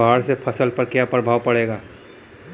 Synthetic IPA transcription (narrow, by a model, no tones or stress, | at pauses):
aːɽsepʰɐsəlpɐɾkjapɾəbʱaːʋpɐɽeːɡaː